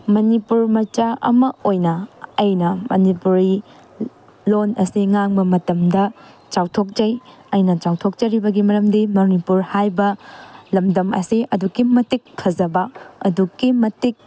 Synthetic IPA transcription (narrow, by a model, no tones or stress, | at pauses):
mɐnipuɾmɐɾt͡ʃaʔɐ̰mɐojnɐːjnɐmɐnipuɾi | lonɐsiŋaŋbɐmɐtɐmdɐ | t͡ʃawtʰok̚d͡ʒɐjɐjnɐt͡ʃawtʰok̚t͡ʃɐɾibɐɡimɐɾɐmdimonipuɾhajbɐlɐmdɐmɐ̰siʔɐdukimɐtikʰːɐzɐbɐɐdukimɐtik̚